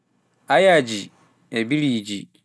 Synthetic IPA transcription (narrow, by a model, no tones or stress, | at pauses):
ajad͡ʑi | ebiɾid͡ʑḭ